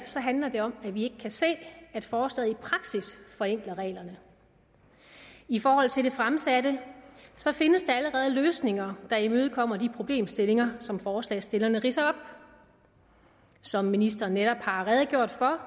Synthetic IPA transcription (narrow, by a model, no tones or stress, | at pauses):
sɒ̽ɦænlɐd̥e̝ɒ̽mæʋie̝ɡ̥əkʰæse̝̰ːæd̥fɒːslɛ̰ːð̩ˠipʰʁɑ̈ɡ̥sisfɒ̽eŋ̰ɡ̥lɐʁɛ̰ːlɐnə | ifɒːɦɒ̽l̰t͡sʰe̝ld̥e̝fʁamsæd̥əsɒ̽fe̝nəsd̥e̝æləʁɛːð̞ˠløːsne̝ŋɐd̥ɑ̈imøːð̞̩ˠkʰɒ̽m̰ɐd̥ipʰʁo̝b̥le̝̰ːmsd̥e̝le̝ŋɐsɒ̽mfɒːslɛ̰ːsd̥e̝lɐnəʁisɐɒ̽b̥ | sɒ̽mːinisd̥ɐnːeɾ̥ɒ̽b̥hɑ̈ʁɛːð̞ˠɡ̥jo̝ɐ̰d̥fɒ̽